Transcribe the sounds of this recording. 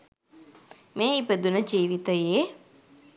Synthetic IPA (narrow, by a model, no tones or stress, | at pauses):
meːipəd̪unəd͡ʒiːʋit̪əje